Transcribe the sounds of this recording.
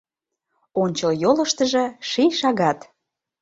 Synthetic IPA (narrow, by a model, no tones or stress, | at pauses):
onʲt͡ɕəljolə̆ʃt̪əʒɤ̆ʃijʃɑɣɑt̪